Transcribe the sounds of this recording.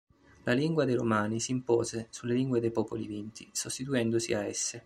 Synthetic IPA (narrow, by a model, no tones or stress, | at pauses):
lʔaliŋɡwad̪ejɾomaːnisiːmpɔːzesulːeliŋɡwed̪ejpɔːpolivint̪isost̪it̪uɛnd̪osḭaɛsːe